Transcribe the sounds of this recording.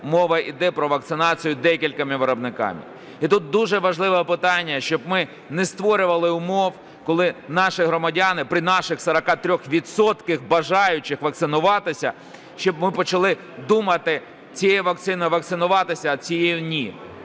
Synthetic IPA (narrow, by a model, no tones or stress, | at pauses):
mɔʋɐid̪ɛpɾɔʋɐk̚t̪sɪnɑt͡sʲijʊd̪ɛkʲilʲkɐmɪʋeɾɔbnɪkɑ̰mʲɪ̰ | it̪ut̪̚d̪uʒɛʋɐʒlˠɪʋɛpɪt̪ɑnʲːɐʃt͡ʃɔbmɪ | nɛst̪ʋɔɾʲʊʋɐlˠɪʊmɔw | kɔlˠɪnɑʃɪɦɾɔmɐdʲanɪpɾɪnɑʃɪxsɐɾɐkɑt̪ɾʲɔxʋʲidt̪sɔt̪kɪxbɐʒɑjʊt͡ʃɪxʋɐk̚t̪sɪnʊʋɑt̪ɪsʲɐ | ʃt͡ʃɔbmɪpɔt͡ʃɐlˠɪ | d̪umɐt̪ɪ | t͡sʲijɛʋɐk̚t̪sɪnɪʋɐkt̪sɪnʊʋɑt̪ɪsʲɐːt͡sʲijejʊnʲi